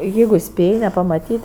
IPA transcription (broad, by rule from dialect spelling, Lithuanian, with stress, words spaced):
ˈjɛɪɡʊ ˈsʲpʲeːj nʲɛpɐmɐtʲiːtʲ